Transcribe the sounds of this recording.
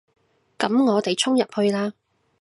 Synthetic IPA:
kɐ˨˥mŋɔː˨˧t̪e˨jt͡sʰʊ˥ŋjɐ˨p̚hɵ˧ɥlaː˥

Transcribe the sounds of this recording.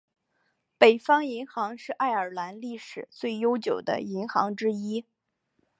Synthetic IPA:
pe˨˩ɪfɑ˥ŋi˧˥ŋxɑ˧˥ŋʂɻ̩˥˧ʔa˥˩ɪə˞˨˩la˧˥nli˥˩ʂɻ̩˨˩t͡swe˥˩ɪjo˥ʊt͡ɕjo˨˩ʊd̪ə̰˦i˧˥ŋxɑ˧˥ŋʈ͡ʂɻ̩˥i˥

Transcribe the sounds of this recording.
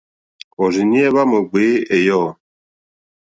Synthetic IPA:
ɔ˨ɾi˨ni˦ɛ˦βa˦mo˨ɡ͡be˨˦e˨jɔ˦˨

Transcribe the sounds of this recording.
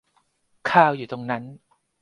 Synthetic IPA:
kʰaː˧˩wjuː˨˩t̪o˧ŋna˦˥n

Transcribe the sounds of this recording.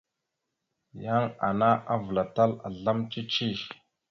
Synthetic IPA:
ja˦ŋa˨na˦ʔa˦və˨la˨ta˦la̰˨ɮa˦mt͡ʃi˦t͡ʃi˦˨

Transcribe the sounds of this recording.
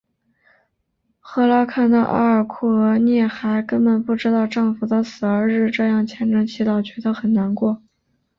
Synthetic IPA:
xɤ˥la˥kʰa˥˩nd̪ə˧ʔa̰˥ə˞˨˩kʰu˥˩ə˧˥njɛ˥˩xa˧˥ɪkə˥npə˨˩npu˥˩ʈ͡ʂɻ̩˥t̪ɑ˥˧ʊʈ͡ʂɤ˥˩ŋfu˨˩d̪ə˧sɹ̩˨˩ə˞˧˥ɻɻ̩˥˧ʈ͡ʂɤ˥˧jɑ˥˩ŋt͡ɕʰjɛ˧˥nʈ͡ʂɤ˧˥ŋt͡ɕʰi˧˥t̪ɑ˥˩ʊt͡ɕɥɛ˧˥d̪ə˧xə˨˩nna˧˥nkwɔ˥˩

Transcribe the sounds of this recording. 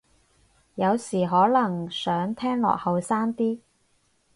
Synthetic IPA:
jɐ˨˧wsiː˨˩ɦɔː˨˥lɐ˨˩ŋsœː˨˥ŋt̪ʰɛː˥ŋlɔ̰ː˨k̚hɐ˨wsaː˥nt̪iː˥

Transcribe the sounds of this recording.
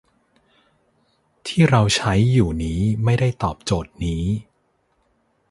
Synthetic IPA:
t̪ʰiː˥˩ɾa˧wt͡ɕʰa˦˥jːuː˨˩niː˦˥ma˥˩jda˥˩jt̪ɔː˨˩p̚t͡ɕoː˨˩t̪̚niː˦˥

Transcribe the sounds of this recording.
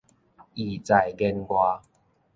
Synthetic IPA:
i˨˩t͡sa˨˩jɡɛ˧nɡwa˧

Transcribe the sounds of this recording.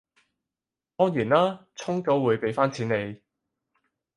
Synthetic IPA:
t̪ɔː˥ŋjyː˨˩nlaː˥t͡sʰʊ˥ŋko˨˥wwuː˨˧jpe˨˧jfaː˥nt͡sʰiː˨˥ne˨˧j

